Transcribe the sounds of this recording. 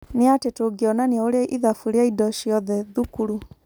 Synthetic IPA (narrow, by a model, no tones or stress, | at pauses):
neatetoɡeɔnaneaoɾeaʔiðafuɾeaidɔʃjɔðɛðukuɾu